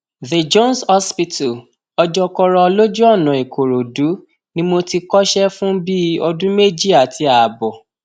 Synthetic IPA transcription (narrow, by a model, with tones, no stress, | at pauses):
ðe˨d͡ʒõ˦nshɔ˦spi˧tu˨ | ɔ˧d͡ʒɔ˧kɔ˧ɾɔ˧ɔ˧lo˦d͡ʒu˦ɔ˦˨nã˨i˨kʰo˨ɾo˨du˨˦ | nĩ˦mo˧ti˧kɔ˦ʃɛ˦fũ˦bi˦ɔ˧dũ˦me˦˨d͡ʒi˦a˨tʰi˧˦a˨bɔ˨